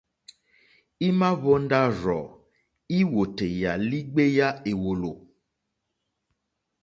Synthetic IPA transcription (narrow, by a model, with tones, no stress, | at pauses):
i˦mã˦βɔ˦n̩˦ɖa˦ɾɔ̰˨ | i˦wo˨te˨ja˨li˦ɡ͡be˦ja˦e˨wo˨lo˨